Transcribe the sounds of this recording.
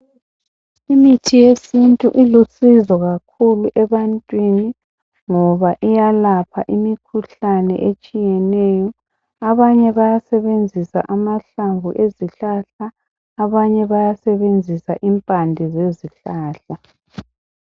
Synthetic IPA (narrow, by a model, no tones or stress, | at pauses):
imitʰijesintʼuʔilusizɔɣakʰuluʔɛβantʼwini | ŋɔβaʔijalapʰaʔimikʰuɬanɛ̰ʔet͡ʃʼijɛnɛjɔ | aβaɲɛβajasɛβend͡zʱisa̰ʔamaɬaŋɡṵʔeziɬaɬaː | βaɲɛβajasɛβend͡zʱisaʔimpʼandʱɛzeziɬaːɬa